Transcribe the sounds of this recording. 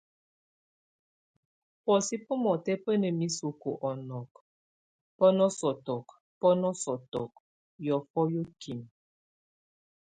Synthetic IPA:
pɔ˨si˦pɔ˦mɔ˨tɛ˦pə˦nə˨mi˦su˨ku˨ʔɔ˨nɔ˨k | pə˦nɔ˦sɔ˨tɔ˨k | pɔ˦nɔ˦sɔ˨tɔ˨k̚ | jɔ˨fɔ˦jo˦ki˨m

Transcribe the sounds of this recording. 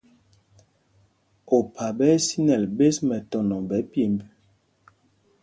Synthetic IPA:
o˨pʰa˨bɛ˦si˦nɛ˨lbe˦smɛ˨tɔ˨nɔ˨bɛ˨˦pje˨mby˦

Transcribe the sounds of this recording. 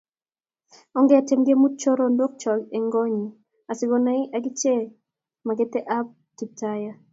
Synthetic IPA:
ɔ˦ŋɡɛ˦a˨tɛ˨mɡe˦mu˦t̚t͡ʃo˦ɾo˦ndo˦k̚t͡ʃɔ˨ɡe˨ŋɡɔ˦ɲi˨ | a˨sɪ˨ɡo˨na˦ɪ˦ʔa˨ɡɪ˦t͡ʃe˦ | ma˨ɡɛ˦tɛ˦ʔa˦p̚ | ki˨taja˦

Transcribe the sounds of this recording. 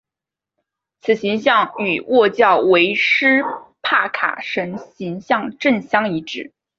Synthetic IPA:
t͡sʰɹ̩˨˩ɕi˧˥ŋɕjɑ˥˩ŋy˨˩wɔ˥˧t͡ɕjɑ˥˩ʊwe˧˥ɪʂɻ̩˥pʰa˥˩kʰa̰˨˩ʂə˧˥nɕi˧˥ŋɕjɑ˥˧ŋʈ͡ʂə˥˩nɕjɑ˥ŋi˧˥ʈ͡ʂɻ̩˥˩

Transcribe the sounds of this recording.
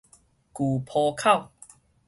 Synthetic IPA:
kuː˨˩pʰɔː˧kʰa˥˨w

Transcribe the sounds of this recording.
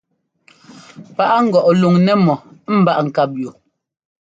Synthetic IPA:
pa˦ʔa˦ŋ̩˦˨ɡɔ˨ʔlu˨ŋnɛ˦mɔ˨˦m̩˨ba˦ʔŋ̩˨ka˦p̚ju˨

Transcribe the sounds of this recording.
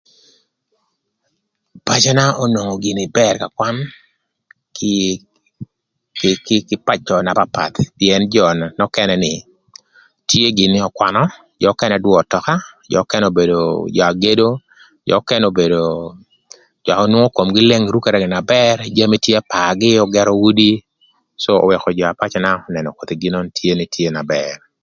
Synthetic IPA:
pa˨t͡ʃa˦na˦ɔ˦no˨ŋɔ˨ɡi˨nɪ˨bɛ˦rka˨kwa˦n | k | kɪkɪ˦kɪ˦pa˦t͡ʃːɔ˨na˨pa˨pa̰˨t̪pjɛ˨nd͡ʒɔ˨na˨nɔ˦kɛ˦nɛnɪ˨ | tje˦ɡɪ˨nɪ˦ɔ˨kwa˨nɔ | d͡ʒɔ˨˦kɛ˦nɛ˨dwɔ˦˨tɔ˨ka˦d͡ʒɔ̰˨˦kɛ˦no˨be˨do˨d͡ʒɔ˨a˨ɡe˦do˦ | d͡ʒɔ̰˨˦kɛ˦no˨be˨do˨ | d͡ʒɔ˨a˨ɔ˦nwɔ˦ŋo˦ko˨mɡɪ˦le˦ŋɾu˦ke˨ɾɛ˨ɡɪ˨na˨bɛ˦rd͡ʒa˦me˦tje˦a˦pa˨ɡɪ˦ɔ˦ɡɛ˦ɾɔ˦wu˦di˦ | so̰ː˦˨wɛ˨kɔ˨d͡ʒɔ˨a˨pa˦t͡ʃna˦ɔnɛ˨nɔ˨ko˨t̪i˨ɡi˦nɔ˦ntʰje˦ni˨tʰje˦na˨bɛr

